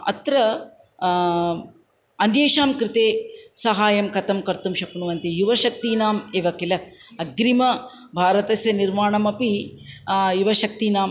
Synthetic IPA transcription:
ɐ̰t̪ɾɐ | ɐnjeːʃaːmkɾɪt̪eːsɐɦaːjɐmkɐt̪ɐmkɐɾt̪umʃɐkunuʋɐnt̪ijuʋɐʃɐk̚t̪iːnaːmeːʋɐkilɐɐɡɾimɐ | bʱaːɾɐt̪ɐsjɐniɾmaːɳɐmɐpi | juʋɐʃɐk̚t̪iːnaːm

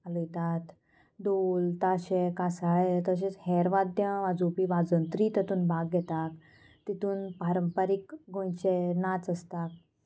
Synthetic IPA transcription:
aləjt̪at̪ | d̪olt̪aɕekasaɭet̪əɕẽt͡shɛɾʋad̪jəʋad͡zupiːʋad͡zənt̪ɾiːt̪ət̪uːnbʱaɡɡɛt̪ak | t̪it̪uːnpaɾəmpəɾikɡõjt͡ɕenat͡səst̪ak̚

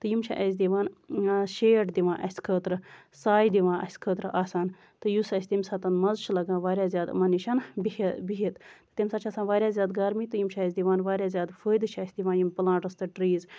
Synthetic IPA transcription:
t̪ɨjimt͡ʃʰa̰ʔɐs̬ʲd̪iʋaːnʃeːʈd̪iʋãːʔɐsʲkʰəːt̪ɾɨ | saːjd̪iʋãːʔɐ̰sʲkʰəːt̪ɾɨʔaːsaːn | t̪ɨjusɐsʲt̪imsat̪ɐnmɐzt͡ʃʰilɐɡãːʋaːɾʲjaːzʲjaːd̪mɐniʃʰɐnbibiɦit̪t̪ɨ̥t̪imsat͡ʃʰasaːnʋaːɾʲjaːzʲjaːd̪ɡɐːɾmit̪ɨjimt͡ʃʰaɐsʲd̪iʋaːnʋaːɾʲjaːzʲjaːd̪fəːjd̪ɨt͡ʃʰɐsʲd̪iʋãːjimpɨlãːʈɐst̪ɨʈɾiːz

